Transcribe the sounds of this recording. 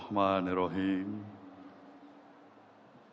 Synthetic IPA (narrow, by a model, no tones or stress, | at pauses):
hmaːneɾoɦiŋ